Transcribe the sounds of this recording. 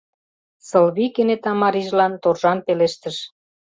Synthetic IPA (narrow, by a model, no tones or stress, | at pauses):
sɤlβikenet̪ɑmɑɾiʒlɑnt̪orʒɑnpeleʃt̪əʃ